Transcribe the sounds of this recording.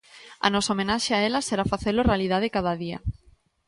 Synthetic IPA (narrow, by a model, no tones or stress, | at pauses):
a̰nɔsaomẽnaʃeaelaseɾafaθelʊorealið̞að̞ɪkað̞aðia̰